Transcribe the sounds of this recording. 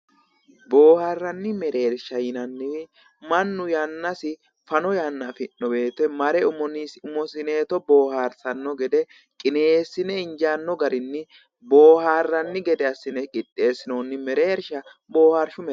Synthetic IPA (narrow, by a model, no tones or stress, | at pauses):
bo̞ːhaːrːɐnːɪmɛɾe̞ːɾʃɐjɪnɐnːɪwɪ | mɐnːʊjanːɐsɪ | fɐnɔjanːafɪnːɔbe̞ːt̪ɛmɐɾɛʊmɔnɪsʊmɔsɪne̞ːt̪ɔbo̞ːhaːɾsɐnːɔɡɛd̪ɛ | kʼɪne̞ːsːɪnɛɪɲd͡ʒaːnːɔɡɐɾɪnːɪ | bo̞ːhaːrːɐnːɪɡɛd̪ɛɐsːɪnɛkʼɪt̪ʼːe̞ːsːɪnoːnːɪmɛɾe̞ːɾʃɐ | bo̞ːhaɾʃʊmɛ